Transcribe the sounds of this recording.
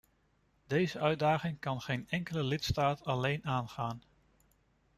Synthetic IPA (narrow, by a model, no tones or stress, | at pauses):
dejzəʔœɥdaːχɪŋkɑnχejnɛŋkələlɪtstaːtʰɑlejnaːnχaːn